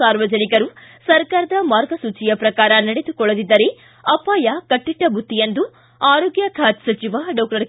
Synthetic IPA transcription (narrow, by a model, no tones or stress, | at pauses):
aːɾʋɐd͡ʒɐnikɐɾusɐɾkaːɾɐd̪ɐmaːɾɡɐsuːt͡ʃijɐpɾɐkaːɾɐnɐɽed̪ukɔɭɐd̪id̪ːɐɾe | ɐpaːjɐkɐʈːiʈːɐbʱut̪ːijɐnd̪u | aːɾoːɡjɐkʰaːt̪sɐt͡ʃiʋaːɖɐːkʈɐɾ